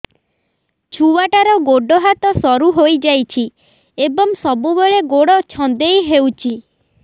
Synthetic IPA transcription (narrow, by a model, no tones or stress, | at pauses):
t͡ʃʰuwaʈaɾɔɡoɖɔɦat̪ɔsɔɾuɦojd͡ʒajt͡ʃʰi | ebɔŋsɔbubeɭeɡoɽɔt͡ʃʰɔnd̪ejɦewt͡ʃʰi